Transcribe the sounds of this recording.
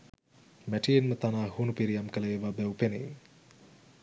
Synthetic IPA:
mæʈienmət̪anaːɦunupiɾijamkələːʋabɛwpenej

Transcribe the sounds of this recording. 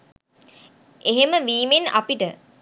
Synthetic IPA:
eɦeməʋiːmena̰piʈə

